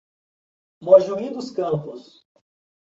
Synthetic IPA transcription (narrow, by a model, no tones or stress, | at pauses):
moʒuĩd̪ʊskɐ̃pʊs